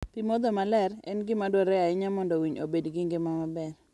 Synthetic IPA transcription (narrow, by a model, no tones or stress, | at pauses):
pimɔd̪ɔmalɛrɛ̰nɡɪmadwɔɾɛaɪɲamɔndɔwiɲo̰bedɡɪŋɡɪmamabɛr